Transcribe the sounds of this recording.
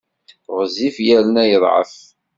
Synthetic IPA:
ʁzifjælənæjəðˤʕə̰f

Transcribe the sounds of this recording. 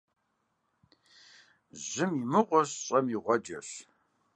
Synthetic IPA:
ʑɨmimɨqʷɔɕɕʼɐmiʁʷɔd͡ʒɐ̰ɕ

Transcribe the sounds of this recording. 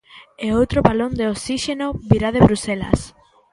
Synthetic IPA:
eowt̪ɾopalond̪eosiʃenoβiɾað̞eβɾusela̰s

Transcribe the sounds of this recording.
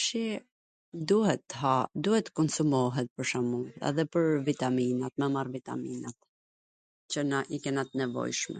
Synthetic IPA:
ʃi | d̪uhɛt̪ːəɦad̪uhɛt̪ːə̥kɔnsumɔɦɛt̪̚pəɾʃamuθa̰ðɛpəɾvit̪aminat̪mɛmarvit̪a̰minat̪ | t͡ɕənaʔikɛnat̪nɛvɔ̰jʃmɛ̰

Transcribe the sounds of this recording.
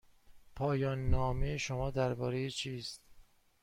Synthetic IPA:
pʰɒːjɒːnːɒːmejeʃomɒːd̪æɾbɒːɾejet͡ʃʰiːst̪

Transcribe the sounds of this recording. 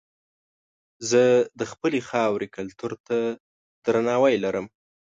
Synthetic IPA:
zəd̪əxpəlexɑwɾekalt̪uɾt̪a | d̪̥ɾanɑwajlaɾəm

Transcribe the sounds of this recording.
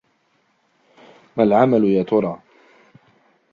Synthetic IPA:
malʕamalʊjaːt̪ʊɾˤɑː

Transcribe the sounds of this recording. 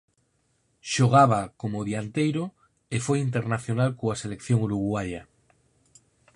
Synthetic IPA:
ʃoɣ̞aβ̞akomoðjant̪ejɾo | efojint̪̬e̞ɾnaθjo̞nalkoasele̞kθjoŋuɾuɣwaʎa

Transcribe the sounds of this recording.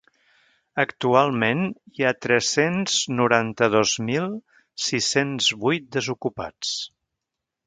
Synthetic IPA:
əkt̪ualˠmeniat̪ɾɛsenz̥nuɾant̪əðozmilˠ | sisenzβujt̪̚d̪əzukupa̰t͡s

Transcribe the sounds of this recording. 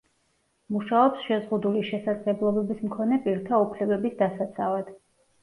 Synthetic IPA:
muʃaɔpsʃɛzʁud̪uliʃɛsad̪zlɛblˠɔbɛbismkʰɔnɛpʼiɾt̪ʰaupʰlɛbɛbisd̪asat̪sʰavad̪̥

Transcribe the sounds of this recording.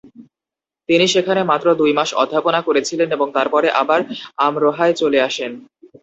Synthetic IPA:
t̪iniʃekʰanemat̪ːɾod̪ujmaʃɔ̰d̪ʱːaponakoɾet͡ɕʰileneboŋt̪aɾpɔɾeʔabaɾamɾɔɦaet͡ɕoleaʃen

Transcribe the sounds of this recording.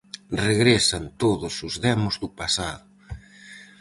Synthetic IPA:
reɣɾesant̪oðʊsʊzðɛmʊzðupasaðʊ

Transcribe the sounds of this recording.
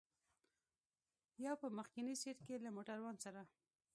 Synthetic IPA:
jɑwpəməxkɪniseɾkelamoʈaɾwansaɾa

